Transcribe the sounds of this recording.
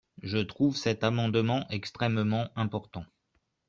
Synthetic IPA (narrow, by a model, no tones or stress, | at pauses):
ʒət̪χuvsɛt̪amɑ̃d̪mɑ̃ʔɛkst̪χɛmmɑ̃ʔɛ̃pɔʁt̪ɑ̃